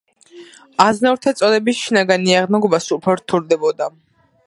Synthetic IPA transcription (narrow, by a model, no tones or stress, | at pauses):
aznaɾt̪ʰat̪sʼɔlɛbisʃinaɡaniaʁnaɡɔbasupʰɛɾt̪ʰuɾd̪ɛbɔd̪a